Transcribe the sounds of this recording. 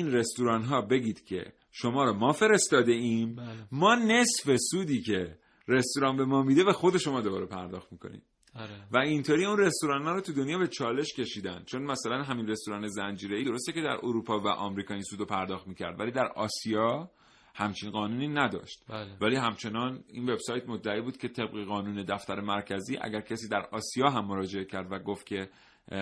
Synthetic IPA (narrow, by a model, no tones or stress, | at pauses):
inre̞st̪uɾɒːnɦɒːbe̞ɟiːd̪̥cʰe̞̰ | ʃo̞mɒːɾɒmɒːfe̞ɾe̞st̪ɒːd̪e̞iːmːɒːne̞sfe̞suːd̪iːcʰe̞ | ɾe̞st̪uɾɒːnbe̞mɒːmid̪e̞væxo̞d̪e̞ʃo̞mɒːd̪o̞bɒ̰ːɾe̞pʰæɾd̪ɒːxt̪miːkʰo̞̰nḭm | væint̪ʰoːɾiːunre̞st̪oɾɒːnhɒːɾɔːt̪ʰud̪o̞njɒːbe̞t͡ʃʰɒːle̞ʃcʰʲe̞ʃiːd̪ænd̪̥t͡ʃʰo̞nmæsælænɦæminre̞st̪oɾɒːne̞zænd͡ʒiːɾe̞iːd̪o̞ɾo̞st̪ece̞d̪æ̰ɾʔoɾuːpʰɒːvæ̰ʔɒ̰ːmɾiːkʰɒːinsuːd̪opʰæɾd̪ɒːxt̪miːcʰæ̰ɾd̪væliːd̪æɾɒːsijɒː | hæmt͡ʃʰinɢɒːnuːniːnæd̪ɒ̰ːʃt̪væliːɦæmt͡ʃʰe̞nɒːninve̞bsɒːjt̪mod̪ːæiːbuːd̪̥̚cʰʲe̞t̪ʰe̞b̚ɣeɣɒːnuːne̞d̪æft̪æɾe̞mæɾcʰæziːʔæ̰ɟæɾcʰæsiːd̪æɾɒːsijɒːɦæmːoɾɒːd͡ʒe̞ecʰæɾd̪væɡoft̪̚cʰʲe̞